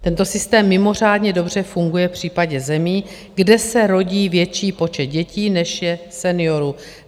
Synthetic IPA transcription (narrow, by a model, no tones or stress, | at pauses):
t̪ɛnt̪o̞sɪst̪ɛːmːɪmo̞r̝aːdɲɛdo̞br̝ɛfuŋɡujɛfpr̝̥iːpaɟɛzɛmiː | ɡdɛsɛɾo̞ɟiːvjɛt͡ʃiːpo̞t͡ʃɛt̪̚ɟɛciːnɛʃjɛsɛnɪo̞ɾu